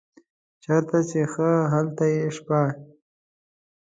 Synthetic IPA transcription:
t͡ʃaɾt̪at͡ʃexəɦalt̪ajeʂpɑɽ

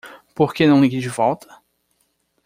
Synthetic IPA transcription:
poɾkenɐ̃w̃ɪkid͡ʒivɔwt̪ɐ̥

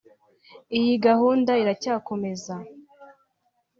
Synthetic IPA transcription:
ijiɡahuːndaiɾacaːko̞me̞za

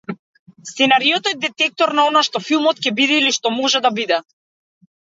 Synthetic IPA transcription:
st̪sɛnaɾijɔt̪ɔɛd̪ɛt̪ɛk̚t̪ɔɾnaɔnaʃt̪ɔfilˠmɔt̪cʲɛbid̪ɛiliʃt̪ɔmɔʒɛd̪abid̪ɛ

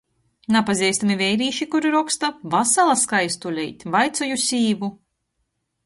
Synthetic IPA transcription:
napazʲiɛst̪amivɛjɾiːʃikuɾiɾɔkst̪avasalˠaskajst̪ulʲɛjt̪ʲvajt̪sɔjusʲiːvu

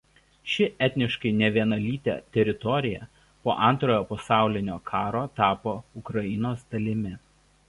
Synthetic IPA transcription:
ʃʲɪʔɛt̪ʲnʲɪʃkɐɪnʲɛʋʲiɛnɐlʲiːt̪ʲɛ̰ːt̪ʲɛɾʲɪt̪ɔɾʲɪjɛ | poːʔɐnˑt̪ɾoːjoːpɐsɑˑʊlʲɪnʲoːkʰɑːɾoːt̪ɑːpoːʊkɾɐɪnoːsd̪̥ɐlʲɪmʲɪ

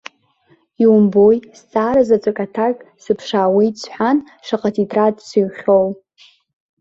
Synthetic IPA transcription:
iwʊmbojst͡sʼaːɾazat͡sʷʼakʼatʰakʼsɨpʰʂaːwijt͡sʰħʷᶣan | ʂaqʼatʰitʼradʼsɨɥχʲow

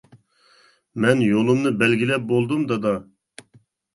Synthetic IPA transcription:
mɛnjolˠumnɨbɛlɡʲilɛp̚bolˠd̪umd̪ɑd̪ɑ

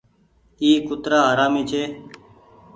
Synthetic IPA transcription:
iːkʊt̪ɾaːɦəɾaːmiːt͡ʃʰeː

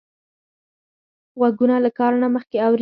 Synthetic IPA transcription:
ɣwaɡunalakɑɾnaməxkeawɾi

